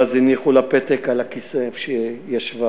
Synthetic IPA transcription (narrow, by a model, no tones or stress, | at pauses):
aziniχulapet̪ekalakiseʃejaʃva